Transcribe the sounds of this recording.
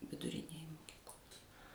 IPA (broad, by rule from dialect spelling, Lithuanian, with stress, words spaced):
ʋʲɪdʊˈrʲɪnʲeːj moːˈkʲiːklˠoːs